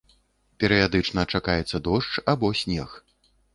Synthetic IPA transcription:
pʲɛɾɨjad̪ɨt͡ʂnɐt͡ʂakajɛt̪sːɐd̪ɔʂt͡ʂabɔsʲnʲɛx

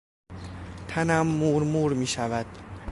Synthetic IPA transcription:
t̪ʰænæmːuːɾmuːɾmiːʃævæd̪̥

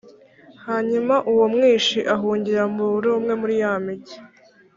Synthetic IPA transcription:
haːɲumaʔuwomŋiːʃiʔaɦuːɲɟiɾambuɾoːmŋe̞muɾijamiɟi

